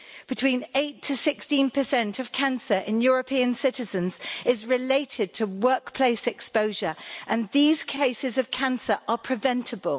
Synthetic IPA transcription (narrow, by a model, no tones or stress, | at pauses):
b̥ɪtʰw̥ĩːneɪtʰəsɪkstĩnpʰəsɛ̃ntʰəv̥kʰãnsəɹʔɪ̃njɔːɹəpʰiə̃nsɪtɪzə̃nz̥ɪzɹɪleɪtʰɪd̚tʰəwɜˑkpʰl̥eɪsɛkspəʊʒəɹʔə̃nðiːz̥kʰeɪsɪzəv̥kʰãnsəɹʔəpʰɹ̥ɪvɛ̃ntʰəbəlˠ